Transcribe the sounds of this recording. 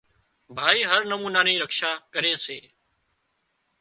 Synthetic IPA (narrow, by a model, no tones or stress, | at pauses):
bʱaːiːɦəɾnəmuːnaːnĩːɾəkʃaːkəɾeːseː